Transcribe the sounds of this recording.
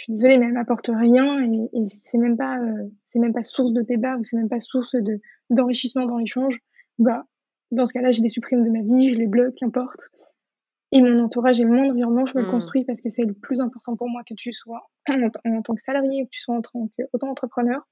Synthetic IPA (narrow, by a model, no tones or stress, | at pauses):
ʃɥid̪ezɔlemɛɛlmapɔʁt̪əʁjɛ̃eːsɛmɛmpaøsɛmɛmpasuʁsd̪əd̪ebausɛmɛmpasuʁsd̪ə | d̪ɑ̃ʁiʃismɑ̃d̪ɑ̃leʃɑ̃ʒ | va | d̪ɑ̃sə̥kalaʒed̪esypχimd̪əmaviʒəleblɔkːɛ̃pɔʁt̪ | emɔ̃nɑ̃t̪uʁaʒemwɛ̃d̪ɑ̃viʁɔnmɑ̃ʒəmələkɔ̃st̪χɥipaʁsə̥kəsɛləplyzɛ̃pɔʁt̪ɑ̃puʁmwakət̪yswa | ɑ̃ɑ̃t̪ɑ̃ksalaʁjeukət̪y̥swaɑ̃t̪ɑ̃kot̪ɑ̃ːt̪χəpχənœːʁ